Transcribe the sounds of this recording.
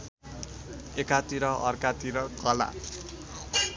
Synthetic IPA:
ekat̪iɾʌʔʌrkat̪iɾʌkʌla̰

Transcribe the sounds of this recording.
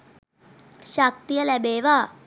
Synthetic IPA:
ʃak̚t̪ijəlɛbeːʋa

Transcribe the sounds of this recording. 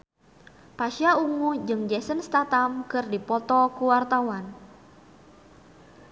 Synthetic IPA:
paʃjauŋud͡ʒɨŋd͡ʒɛsənst̪at̪amkərdipɔt̪ɔkuwart̪awan

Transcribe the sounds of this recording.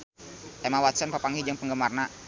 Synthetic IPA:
ʔɛmawat̪sənpapaŋɡid͡ʒəŋpəŋɡəmarna

